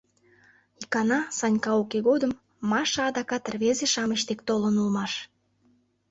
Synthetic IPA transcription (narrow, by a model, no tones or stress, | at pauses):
ikɑnɑsɑnʲkɑukeɣod̪əmː | ɑʃɑːd̪ɑkɑt̪ərβezeʃɑməɕt̪ekt̪olənulmɑʃ